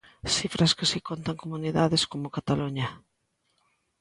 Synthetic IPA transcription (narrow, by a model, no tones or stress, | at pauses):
sifɾʔɐskɪsikont̪aŋkomuniðaðɪskomʊkat̪aluɲɐ